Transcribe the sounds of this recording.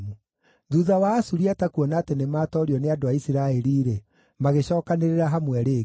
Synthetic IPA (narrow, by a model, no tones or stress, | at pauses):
u | ðuðawaːsuɾiatakuɔnatɛnemaːtɔɾiɔneadoaisiɾaɛɾiːɾe | maɣeɕɔːkaneɾeɾaɦamwɛɾe